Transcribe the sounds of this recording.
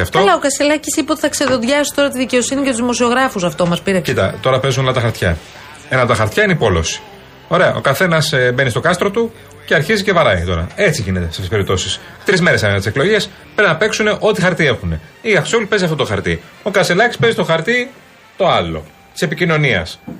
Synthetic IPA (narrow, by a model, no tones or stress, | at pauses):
ɐft̪olɐokɐselɐcisipeot̪iθɐkseðo̞ðʝɐsi̥t̪o̞ɾɐt̪iðice̞o̞sinicet̪uzimo̞sio̞ɣɾɐfusɐft̪o̞mɐspiɾeit̪ɐ̰t̪o̞ɾɐpe̞zunlɐt̪ɐxɐɾt̪çɐ | enɐt̪ɐxɐɾt̪çɐineipo̞lo̞̰si̥ | o̞ɾe̞ɐ̰ʔo̞̰kɐθe̞nɐsbe̞nist̪o̞kɐst̪ɾo̞t̪u | ce̞ɐɾçizicevɐɾɐɣit̪o̞ɾɐ̰e̞t͡siʝine̞t̪est̪t̪ispe̞ɾip̚t̪o̞sis | t̪ɾizme̞ɾesɐmenɐt̪iseklo̞ʝe̞s | pɾinɐpe̞ksune̞ʔo̞t̪ixɐɾt̪ie̞xune̞iɐxsolpe̞ziɐft̪ot̪oxɐɾt̪ḭ | o̞kɐselɐcispe̞zit̪o̞xɐɾt̪i | t̪o̞ɐlo̞̰ | t̪i̥se̞picino̞niɐ̰s